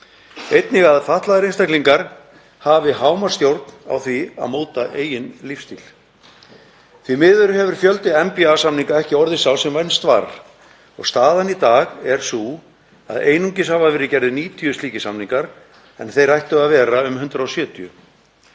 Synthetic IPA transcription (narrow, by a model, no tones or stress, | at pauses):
ejt̪nɪɣaðfaht̪laðɪɾinst̪akliŋkaɾ̥ | haːvɪɦaːwmaɾ̥st̪jowɾt̪na̰wθvia̰ðmoːwt̪aʔeːjɪnlifst̪iːl̥ | θvimɪːðʏɾɦɛvʏɾ̥fjœlt̪ɪɛmpiasamniŋkaɛhcɪɔɾðɪsawsɛmvajnst̪vaɾ | ɔ̰ɣst̪aːðanit̪aːɣɛɾ̥su | a̰ðeːjnuɲcɪshavavɛːɾɪcɛɾðʏniːt̪ʰiʏst̪iːcɪsamniŋkaɾ | ɛ̰nθejrajht̪ʏaðvɛːɾaʏmɦʏnt̪ɾaɔsjœːt̪ʰiʏ̰